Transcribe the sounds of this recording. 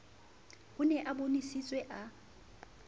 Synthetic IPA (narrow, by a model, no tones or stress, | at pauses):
hʊnɛʔabonisit͡sʼwɛʔa